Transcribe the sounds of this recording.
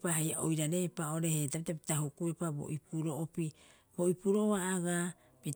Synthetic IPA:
paɦajaʔojɾaɾepao̞ɾe̞hetapitapitaɦukuepabo̰ʔipuɾo̞opi | bo̞ipuɾooaːɡa | pi

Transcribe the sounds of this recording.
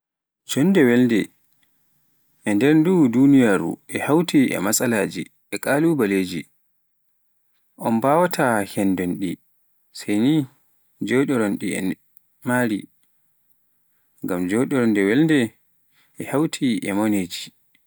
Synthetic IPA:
d͡ʒɔndɛwɛlndɛ | ʔɛndɛɾdudunijaːɾṵʔɛhawtʰiʔɛ̰masalaːd͡ʒḭ | ɛkʼaːlubaleːd͡ʒi | ʔɔnbawatʰahɛndɔnɗi | sajni | d͡ʒɔɗɔɾɔnɗiɛ̰ | maɾi | ŋɡamd͡ʒɔɗɔɾɔndɛwɛlndɛ | ʔɛhawtʰiʔɛ̰mɔneːd͡ʒi

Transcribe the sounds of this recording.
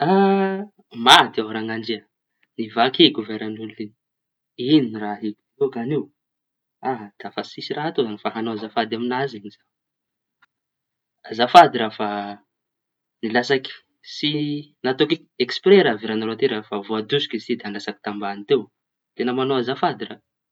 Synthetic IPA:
a | mad̪iaɦɾaŋaɳd͡ʒia | nivakeɡuveɾanunlini̥ | ininraɦeku̥t̪okanew | aɦd̪̥afasisiraɦat̪ozanifaɦanoazafad̪aminaziɲiz̥a | azafad̪iɾafa | nilasaki̥ | sinat̪oki | ekspreɾaviɾanalot̪eɾafavoad̪usi̥kist̪id̪anlasaki̥t̪ambanit̪ew | t̪enəmanoazafad̪ira

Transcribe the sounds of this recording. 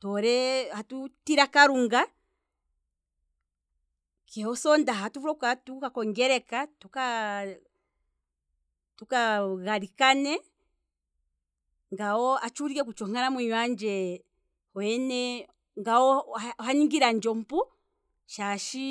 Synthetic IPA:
tɔɾɛhatutiɾakaɾuŋɡa | kɛhɔsɔndaɦatufuɾɔkatukakɔŋɡɛɾɛkatuka | tukaɣaɾikanɛ | ŋɡaɔat͡ʃuɾiɛk̬ut͡ʃɔŋanamwiɲwaɲd͡ʒɛ | hwɛnɛ | ŋɡaɔhaɲiŋɡiɾand͡ʒɔm̩pu | ʃaʃi

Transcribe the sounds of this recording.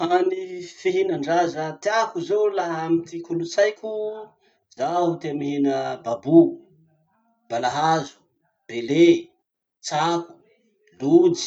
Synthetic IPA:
fanifeɦenaɳɖ͡ʐazət̪iakuzolaɦamit̪ikulut͡sajkʲu | zaɦut̪emiɦenəbabu | b̥alaɦazu̥ | b̥ele | t͡saku̥ | lui̥

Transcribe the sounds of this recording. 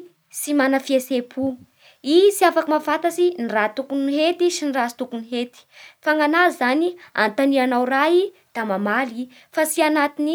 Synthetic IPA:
simanəfiesepʰu | isiafakimafat̪asinirat̪ukuniɦet̪isinirast̪ukuniɦet̪i̥faŋanazzania̰nt̪anianawrai | d̪̥amamali | fasianat̪ini

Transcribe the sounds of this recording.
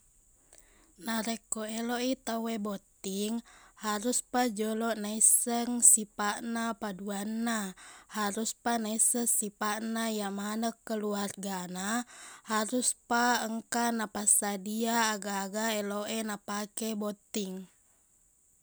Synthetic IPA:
naɾɛkoɛloit̪awebɔt̪iŋhaɾuspad͡ʒɔlɔʔnaisəŋsipaʔnapaduanːahaɾuspanaisəsipaʔnajamanəkːəluarɡanahaɾuspaəŋkanapasadiaːɡaːɡaɛloʔɛnapakɛbɔt̪iŋ

